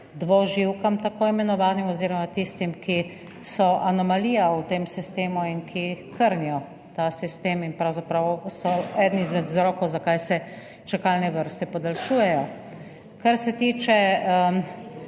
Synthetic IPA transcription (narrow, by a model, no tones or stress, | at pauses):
d̪ʋɔʒiwkamt̪akoːimɛnɔʋaːnimɔziːɾɔmat̪ist̪imki | sɔʔanɔmaliːjaut̪eːmsist̪eːmuinkʰikəɾnijɔ | t̪asist̪eːminpɾawzapɾawsɔɛd̪niizmɛd̪zɾɔːkowzakajsɛ | t͡ʃakalnɛʋəɾst̪ɛpɔd̪alʃuːjɛjɔ | kaɾsɛt̪iːt͡ʃɛ